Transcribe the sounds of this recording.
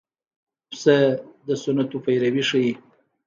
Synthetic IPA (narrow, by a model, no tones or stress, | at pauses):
psəd̪əsʊnat̪upajɾawiʂəji